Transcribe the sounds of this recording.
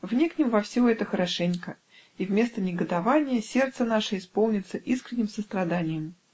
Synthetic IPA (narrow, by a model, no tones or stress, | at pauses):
vnʲeknʲɪmvɐfsʲoɛt̪əxəɾɐʂɛnʲkə | ivmʲe̞st̪ənʲɪɡəd̪ɐvanʲɪjəsʲe̞rt̪sənaʂəɪspolˠnʲɪt̪səʔiskɾʲɪnʲːɪmsəst̪ɾɐd̪anʲɪjɪm